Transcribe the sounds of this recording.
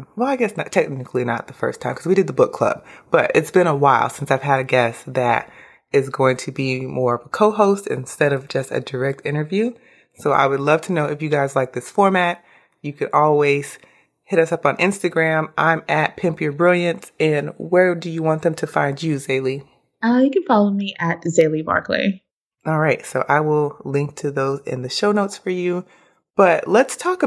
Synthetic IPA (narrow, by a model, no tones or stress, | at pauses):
wɛlˠaɪɡɛsnɨtʰɛk̚nɨkʰl̩ˠinə̰t̪̚ðəfɜ̰˞stʰãɪ̃mkʰʌzwiɾɨd̪̚ðəbʊkʰl̥ʌ̰b̥̚b̥ʌɾɨtsb̥ɨ̃ɾ̃əwaɪlˠsɪ̃nsaɪv̥ɨd̚ɾɨɡɛsðɨɾ | ɪzɡoʊɪ̃ŋtʰɨbimɔɹʌvəkʰoʊɦoʊstɨ̰̃nstɛɾʌvd͡ʒʌstɨ̰də˞ɛk̚tɪ̃ɾ̃ə˞vjʉ | soʊʔa̰ɪwədˡlʌv̥tʰɨnoʊɨfjɨɡaɪzlaɪk̚ðɪsfɔɹmæt̚ | jɨkʰɨ̃nʔɔlˠwiz̥ | hɪɾʌsʌpn̩ʔɪ̃nstɨɡɹæ̃mʔã̰ɪ̃mɨt̚pʰɪ̃mpjə˞bɹɪlˠjɨ̃ntɨ̃nwə˞dɨjɨwɑ̃nðɨ̃mtʰɨfãɪ̃nd͡ʒɨzeɪlˠi | ʌjɨkɨ̃nfɑlˠoʊmiʔɨt̚zeɪlˠibɑ̰ɹkʰlḭ | ɔlˠɹaɪtsoʊʔaɪwɪlˠlɪ̃ŋk̚tʰɨðoʊzɪ̰̃nðɨʃoʊnoʊtsfə˞jʉ | b̥ʌʔlətstʰɔkə